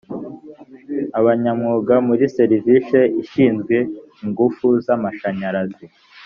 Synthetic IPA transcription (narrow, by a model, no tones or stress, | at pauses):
aβaɲamŋuːɡamuɾiseɾiviʃeiʃiːnzɡwe̞ | iŋɡufuzamaʃaɲaɾazi